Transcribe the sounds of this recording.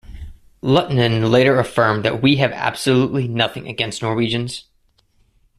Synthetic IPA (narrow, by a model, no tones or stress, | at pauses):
lɛʔn̩ɨ̃nleɪɾə˞ɨfɜ̃˞mðɨ̰ʔ̚wiɨvæ̰b̥səluʔˡlinʌθɪ̃ŋɨ̰ɡɛ̃nstⁿnɔɹwid͡ʒɨ̃nz̥